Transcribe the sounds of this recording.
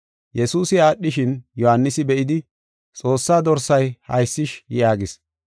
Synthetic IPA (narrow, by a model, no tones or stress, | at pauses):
jɛsuːsɪaːɗːɪʃɪnjɔhanːɪsɪbɛʔɪd̪ɪ | t͡sʼo̞ːsːaːd̪ɔɾsɐjhɐ̰jsːɪʃjaːɡɪs